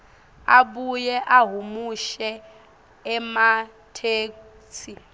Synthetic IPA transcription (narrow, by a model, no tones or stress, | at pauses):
abujɛʔaɦumuʃɛː | ma | tʰeːk | t͡sʰi